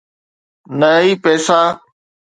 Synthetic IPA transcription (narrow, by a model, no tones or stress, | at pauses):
nəiːpɛːsaː